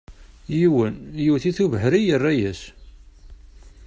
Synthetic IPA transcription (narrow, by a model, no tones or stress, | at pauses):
jiwənjuwθiθuvəɦɾijərːæjæs